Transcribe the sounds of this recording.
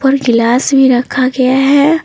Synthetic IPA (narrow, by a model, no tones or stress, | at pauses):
pəɾɡɪlaːsbʱiɾɐkʰaɡɐjaɦɛ